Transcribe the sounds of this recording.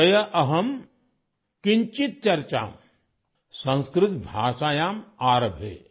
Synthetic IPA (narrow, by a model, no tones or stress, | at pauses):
ɐjɐʔɐɦɐm | kiɲt͡ʃit̪̚t͡ʃɐɾt͡ʃa̰ːm | sɐ̃nskɾɪt̪bʱaːʃaːjaːmaːɾɐbʱḛː